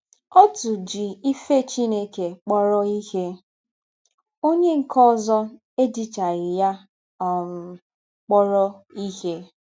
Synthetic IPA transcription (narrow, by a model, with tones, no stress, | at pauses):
ɔ˦tu˨d͡ʒi˨i˦fe˦˨t͡ʃi˦ne˦ke˨k͡pɔ˦ɾɔ˦i˦he˦ | o˦ɲe˦ŋ̩˨kɔ˦zɔ˦ | e˦di˨t͡ʃa˨ɾɪ˨ja˦ | ɔ˨m̩˨ | k͡pɔ˦ɾɔ˦i˦he˦